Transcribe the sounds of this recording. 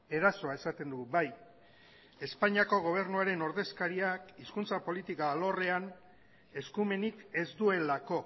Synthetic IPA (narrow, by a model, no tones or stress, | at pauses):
e̞ɾaso̞ae̞sat̪e̞nd̪ubaj | e̞spaɲiako̞ɣ̞o̞β̞e̞ɾnuaɾe̞no̞ɾðe̞skaɾiakiskunt͡sapo̞lit̪ikaːlo̞re̞an | e̞skume̞nike̞zd̪ue̞lako̞